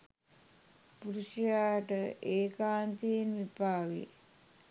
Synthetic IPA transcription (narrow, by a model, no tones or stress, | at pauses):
puɾuʃijaːʈəʔeːkaːnt̪iinʋipaːʋḭ